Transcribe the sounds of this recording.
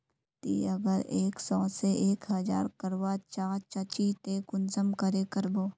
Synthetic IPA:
t̪ḭːɐɡəɾeːksɔːseʔeːkɦɐd͡ʒa̰ːɾkəɾwat͡ʃaːt͡ʃɐt͡ʃit̪ekʊnsəmkəɾekəɾboː

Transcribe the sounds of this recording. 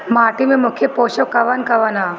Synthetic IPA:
maːʈimemukʰjepoːɕɐkɐʋankɐʋana

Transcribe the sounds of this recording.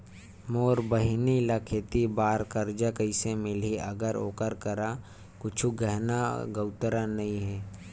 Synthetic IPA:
moːɾbəɦɪnilakʰeːt̪ibaːɾkəɾd͡ʒakəɪsemɪliʔɐɡəɾo̰ːkəɾkəɾa | kʊt͡ʃʰuɡəɦnaɡəʊt̪ɾanɐĩɦɛː

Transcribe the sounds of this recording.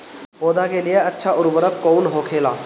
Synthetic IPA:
moːd̪akelɪjeətːʃʰaʔʊɾbəɾəkkoːnɦoːkʰeːlaː

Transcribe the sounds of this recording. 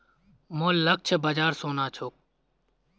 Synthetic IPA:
moːlːək̚t͡ʃʰəbaːd͡ʒaːɾsoːnaːt͡ʃʰoːk

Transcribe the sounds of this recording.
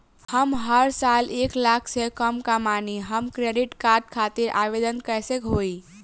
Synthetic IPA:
həmɦəɾsaleklakʰsekəmkamaniɦəmkɾeɖiʈkaɾɖkʰat̪iɾʔa̰ʋed̪ənkəjsekɦoi

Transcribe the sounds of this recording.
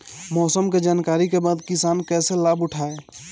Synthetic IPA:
mɔːsəmked͡ʒaːnkaːɾikebaːd̪kisaːnkɛːselabʊʈʰae

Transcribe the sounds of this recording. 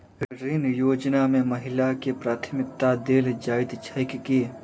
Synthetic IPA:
ɾɪnjoːd͡ʒnamẽməɦɪlakepɾaːt̪ʰmɪk̚t̪ad̪eːld͡ʒaːɪt̪t͡ʃʰəjkki

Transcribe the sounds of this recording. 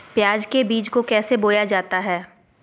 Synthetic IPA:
pjaːd͡ʒkebiːt͡ʃkokɛːseboːjad͡ʒaːt̪aɦɛː

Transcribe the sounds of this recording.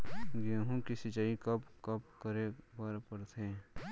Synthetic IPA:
ɡeːɦũkisɪt͡ʃaːikɐpkɐp̚kəɾebaɾpəɾt̪ʰẽː

